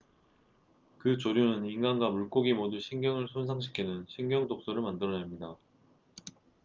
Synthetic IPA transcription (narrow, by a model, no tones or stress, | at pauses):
kɯt͡ɕoɾjunɯniŋɡanɡwamuɭk͈oɡimoduɕʰiŋɡjʌŋɯɭsʰonsʰaŋɕʰi̥kʰinɯnɕʰiŋɡjʌŋdok̚s͈oɾɯɭmandɯɾʌnemɲida